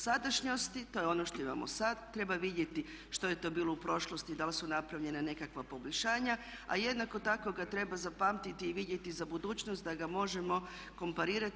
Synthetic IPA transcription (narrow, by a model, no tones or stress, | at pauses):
sad̪aʃɲost̪it̪o̞jeo̞no̞ʃt̪o̞ima̰mo̰sad̪t̪ɾe̞baʋid̪je̞t̪i | ʃt̪o̞je̞t̪o̞biːlˠo̞upɾo̞ʃlˠost̪id̪alsunapɾaʋʎe̞nane̞kakʋapo̞boʎʲʃaːɲaa̰je̞d̪nako̞t̪ako̞ɡat̪ɾe̞bazapaːmt̪it̪iːʋid̪jet̪izabud̪uːt͡ʃnost̪d̪aɡamo̞ʒe̞mo̞ | ko̞mpaɾiːɾat̪